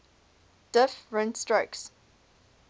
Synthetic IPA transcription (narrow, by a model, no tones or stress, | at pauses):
d̥ɪfɹɛ̃nstɹəks